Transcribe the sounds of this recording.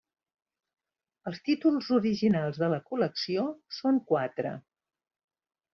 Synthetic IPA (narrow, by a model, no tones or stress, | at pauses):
əlˠst̪it̪ulˠzuɾiʒinalˠzðələkuləksiosoŋkwat̪ɾə̰